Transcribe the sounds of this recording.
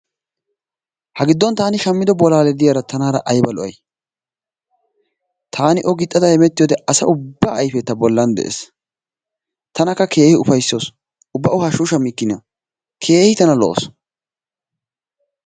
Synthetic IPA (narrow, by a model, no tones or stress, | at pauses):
hɐɡɪd̪ːɔnt̪aːnɪʃɐmːɪd̪ɔbɔlaːlɛd̪ɪjaɾɐt̪ɐnaːɾɐʔɐjbɐlɔʔɐ̰j | t̪ʰaːnɪʔɔɡɪt̪ʼːɐd̪ɐhɛmɛt̪ːɪjoːd̪ɛʔɐsɐ̰ʔʊbːaːɐjfɛt̪ːɐbɔlːɐnd̪ɛ̰ʔḛːs | t̪ɐnɐkːɐkʰe̞ːhɪʊfɐjsːoːs | ʊbːɐʔʊhaʃuːʃɐmːɪkːɪnɐ | kʰe̞ːhɪt̪ɐnɐlɔ̰o̰s